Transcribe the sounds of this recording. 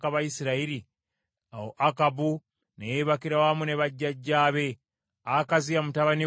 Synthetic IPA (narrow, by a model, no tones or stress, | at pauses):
kaβajisiɾaiɾi | ahoʔakabu | nejeβakiɾawamuneβaɟːaɟːaːβe̞ | akazijamutaβani